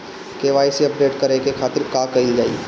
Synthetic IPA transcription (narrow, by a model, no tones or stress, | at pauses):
keːʋaːjseɐp̚ɖeːʈkɐɾekekʰaːt̪ɪɾkakɐid͡ʒa̰ːḭ